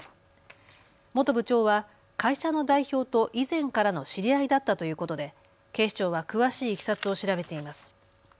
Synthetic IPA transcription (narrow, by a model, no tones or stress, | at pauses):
mo̞t̪o̞bɯ̟t͡ɕo̞ːβa | kaiɕano̞d̪aiço̞ːt̪o̞ʔizẽ̞ŋkaɾano̞ɕiɾʲiaid̪at̪ːat̪o̞jɯ̟ːko̞t̪o̞d̪e̞ | ke̞ːɕt͡ɕo̞ːβ̞akɯ̟βaɕiːkʲi̥sat͡sɨo̞ɕiɾabe̞t̪e̞imasɨ̥